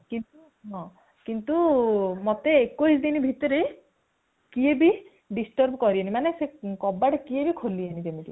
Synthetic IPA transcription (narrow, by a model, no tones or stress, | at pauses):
kint̪u | ɦɔ̃ | kint̪umot̪eːkojsd̪inibʱit̪ɔɾe | kiebi | ɖisʈɔɾbkɔɾienimanesekɔbaɽekiebikʰolianit̪emit̪ḭ